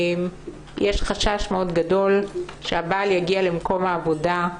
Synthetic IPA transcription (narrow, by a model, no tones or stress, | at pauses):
m | jʔeʃχaʃaʃmeo̞dɡado̞lʃeabaljaɡialemko̞mhaːvoda